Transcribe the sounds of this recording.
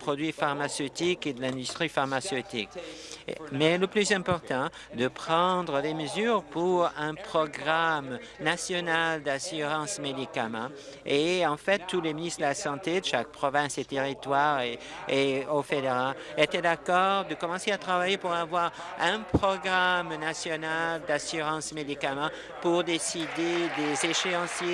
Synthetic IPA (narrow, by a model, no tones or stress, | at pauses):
pχɔd̪ɥifaʁmasøt̪iked̪əlɛ̃d̪yst̪χifaʁmasøt̪ḭk | mɛləplyzɛ̃pɔʁt̪ɑ̃ | d̪əpχɑ̃d̪ʁəd̪eməzyʁpuʁɛ̃pχɔɡʁam | nasjɔnald̪asyʁɑ̃smed̪ikamɑ̃ | eɑ̃fɛt̪ːuleminist̪χd̪əlasɑ̃t̪ed̪əʃak̚pχɔvɛ̃set̪eʁit̪waʁeeofed̪eʁaet̪ɛd̪akɔʁd̪əkɔmɑ̃seat̪χavajepuʁavwaʁɛ̃pχɔɡʁamnasjɔnald̪asyʁɑ̃smed̪ikamɑ̃ | puʁd̪esid̪ed̪ezeʃeɑ̃sje